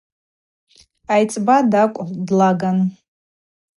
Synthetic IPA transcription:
ajt͡sʼbadakʷʼʁdlaɡan

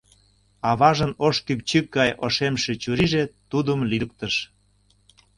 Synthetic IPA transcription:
ɑβɑʒənoʃkymt͡ɕykɡɑjoʃemʃet͡ɕuɾiʒet̪ud̪əmlik̚t̪əʃ

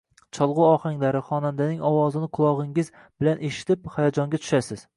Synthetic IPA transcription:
t͡ʃʰɒlˠʁʊɒχaŋlaɾɪχɒnand̪anɪŋɒwɒzɪnɪqʰʊlˠɒʁɪŋɪz | bɪlanʔeʃɪ̥t̪ʰɪphajad͡ʒɒŋɡʲat̪ʰʊ̥ʃasɪz̥

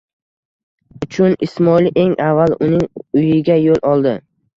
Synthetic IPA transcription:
ʊt͡ʃʰʊnɪsmɒlɪʔe̞ŋʔavːalʊnɪŋʊjɪɡʲajolˠɒlˠd̪ɪ

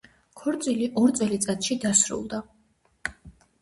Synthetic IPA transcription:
kʰɔɾt̪sʼiliʔɔɾt̪sʼɛlit̪sʼat̪ʼʃid̪asɾṵlˠd̪a

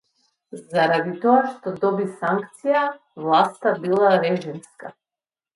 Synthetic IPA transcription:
zaɾad̪it̪ɔaʃt̪ɔd̪ɔbisaŋkt̪sija | vlˠast̪abilˠaɾɛʒimska

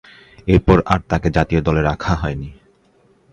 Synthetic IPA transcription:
eɾpɔɾaɾt̪aked͡ʑat̪iod̪ɔleɾakʰaɦɔeni

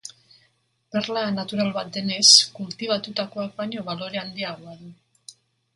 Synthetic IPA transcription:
perlanat̪uɾalβat̪̚d̪e̞ne̞skult̪iβ̞at̪ut̪ako̞ak̚baɲo̞βalo̞ɾe̞and̪iaɣ̞oaðu

